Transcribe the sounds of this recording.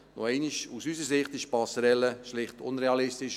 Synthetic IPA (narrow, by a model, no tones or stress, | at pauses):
no̰ɛɪnɪʃusysəɾsɪχtɪʃpɑsəɾɛlːəʃlɪχtʊ̰nɾeɑlɪstɪʃ